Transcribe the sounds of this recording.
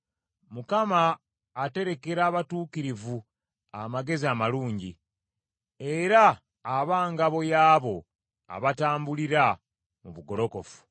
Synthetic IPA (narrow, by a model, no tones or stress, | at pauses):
mukamaː | te̞ɾe̞ke̞ɾaːβatuːkiɾivu | amaɡe̞ziamaluːɲɟi | e̞ɾaː | βaːŋɡaβo̞jaːβo̞ | a̰βataːmbuliɾa | muβuɡo̞ɾo̞ko̞fu̥